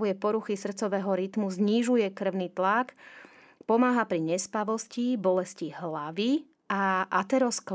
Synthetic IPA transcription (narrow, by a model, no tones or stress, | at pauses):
ujɛpɔɾuxisr̩t̪t͡sɔʋɛːɦɔɾit̪muzɲiʒujɛkr̩ʊniːt̪lak | pɔmaːɦapɾiɲɛspaʋɔscibɔlɛsciɦlaʋi | aʔat̪ɛɾɔsk